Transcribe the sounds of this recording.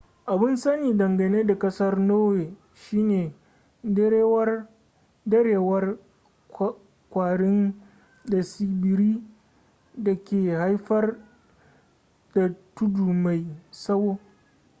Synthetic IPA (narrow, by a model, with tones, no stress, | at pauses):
ʔa˨bɪ˦nsɐ˦niː˨dɐ˨ŋɡɐ˨neː˦da˨kʼɐ˦sɐ˦rnoː˦weː˨ | ʃiː˦neː˨˦ | wr | dɐ˦ɽeː˨wɐ˦r | kʷaː˨ɽɪ˦n | da˨si˨bɪ˨ɾiː˦ | da˨kʲeː˨ha˦jɸɐ˦r | da˨tʊ˦duː˨ma˨jsɐ˦woː˦